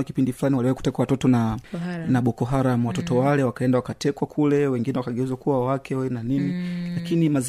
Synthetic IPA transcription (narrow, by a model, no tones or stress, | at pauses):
akipindifulaniwaliwaiku̥tɛkwawatɔtɔnanaɓɔkɔɦaɾam̩watɔtɔwalɛwakaɛndawakatʰɛkwakʰulɛwɛŋɡinɛwakaɠɛuzakuwawakʰɛɛnaninilakinimaz